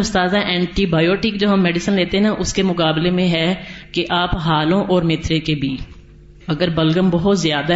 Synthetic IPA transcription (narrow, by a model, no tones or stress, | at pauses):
ʊst̪aːzaʔɛ̃ːɳʈibaːjoːʈɪkd͡ʒoːɦɐmːɛːɖɪsənleːt̪eɦɛnaʔʊskemʊkaːblemẽɦɛkeʔaːpɦaːlõʔɔːɾmɪt̪ʰɾekebʱiː | ɐɡəɾbəlɡəmbɐɦʊt̪zjaːd̪a